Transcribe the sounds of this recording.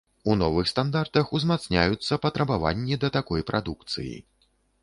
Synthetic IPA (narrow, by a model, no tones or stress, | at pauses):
unɔvɨxst̪and̪art̪ɐxuzmat̪snʲa̰jut̪sːɐpɐt̪ɾɐbava̰nʲːid̪ɐt̪akɔjpɾʔad̪ukt̪sɨ̰jḭ